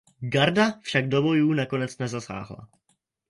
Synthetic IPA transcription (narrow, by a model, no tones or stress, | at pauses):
ɡaɾdafʃaɡ̚do̞bo̞juːnako̞nɛt͡snɛzasa̰ːɦla̰